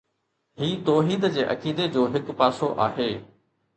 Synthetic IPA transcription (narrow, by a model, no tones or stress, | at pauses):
hiːt̪oːɦiːd̪d͡ʑeːʔɐ̰kiːd̪ed͡ʑoːɦɪkpaːsoʔa̰ːɦeː